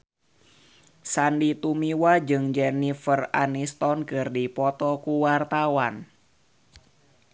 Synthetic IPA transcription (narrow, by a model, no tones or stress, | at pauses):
sandit̪umiwad͡ʒɨŋd͡ʒɛnifəra̰nist̪ɔnkɨrdipɔt̪ɔkuwart̪awan